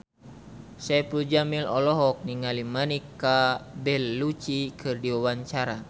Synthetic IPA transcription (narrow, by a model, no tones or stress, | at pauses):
sɛplud͡ʒamilɔlɔɦɔk̚niŋalimanikːabɛlːut͡ʃikʰɨrdiwawaɲt͡ʃaɾa